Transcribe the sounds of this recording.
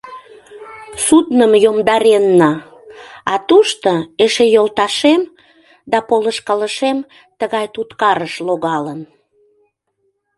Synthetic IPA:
sud̪nəmjomd̪ɑɾenːɑ | ɑt̪uʃt̪oeʃejolt̪ɑʃem | d̪ɑpoləʃkɑləʃem | t̪əɣɑjt̪ut̪kɑɾəʃloɣɑlən

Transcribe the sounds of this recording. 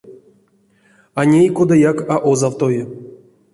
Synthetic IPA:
anʲejko̞d̪ajakaʔozawt̪ojɪ

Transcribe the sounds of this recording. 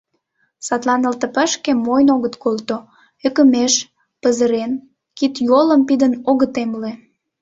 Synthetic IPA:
sɑt̪lɑnəlt̪ə̆pəʃkemojnoɣət̪kolt̪o | økə̆meʃ | pəzəɾen | kit̪joləmpid̪ənoɣət̪emle

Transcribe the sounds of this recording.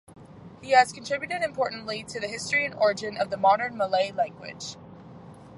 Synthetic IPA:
hiɨz̥kʰntʰɹ̥ɪbjʉɾɨɾɨ̃mpʰɔɹʔn̩ʔliɾɨðɨhɪstɹ̥iɨ̃nɔɹɨd͡ʒɨ̃nʌvðəmɑɾə̃˞nməleɪlæ̃ŋɡwɪ̰d̥ʒ̥

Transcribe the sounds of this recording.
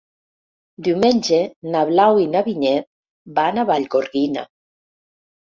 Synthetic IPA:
d̪iwmenʲd͡ʒenaβlawinaβiɲet | banaβaʎɡoɾɣina̰

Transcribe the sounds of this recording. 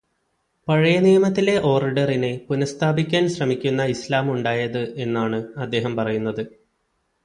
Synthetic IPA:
pɐɻɐjɐnijɐmɐt̪̬ːile̞ʔo̞ːriɖɐrine̞punɐst̪ʰaːbikʲːaːnɕrɐmikʲːunːɐislaːmuɳɖaːjɐðɨʔe̞nːaːɳɨɐd̪ːe̞ːɦɐmpɐrɐjunːɐðɨ

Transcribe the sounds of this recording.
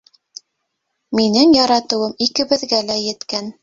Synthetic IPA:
minɘŋjɑɾɑt̪ɤ̆wɤmikɘ̆βɘ̆ðɡælæjɘ̆t̪kæn

